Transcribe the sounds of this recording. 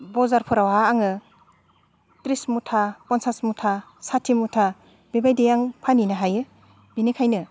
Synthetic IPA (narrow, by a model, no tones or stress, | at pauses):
bɔzaɾpʰɯɾawaːŋɯ | tɾismutʰapɔnsasmutʰa | satʰːimutʰa | bebajdejaŋpʰaninaɦajɯ | binikʰajnɯ